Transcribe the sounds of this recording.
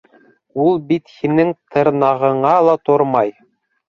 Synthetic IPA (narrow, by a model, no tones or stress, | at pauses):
ulˠbit̪hinɘŋt̪ʰɤ̆ɾnɑʁɤ̆ɴɑlˠɑt̪oɾmɑj